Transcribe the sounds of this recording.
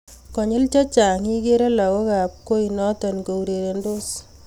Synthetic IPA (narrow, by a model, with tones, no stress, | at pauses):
kɔ˨ɲɪ˦lt͡ʃa˦t͡ʃa˨ŋi˦ke˦ɾe˦la˨ɣo˦ka˨p̚ko˦inɔ˦tɔ˨nko˨u˨ɾe˨ɾe˨ndo˦s